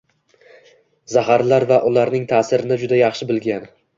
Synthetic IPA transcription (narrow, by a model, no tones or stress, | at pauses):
zahaɾlaɾvaʔʊlaɾnɪŋt̪ʰaːsɪɾɪnɪd͡ʒʊd̪ajɑχʃɪbɪlɡʲan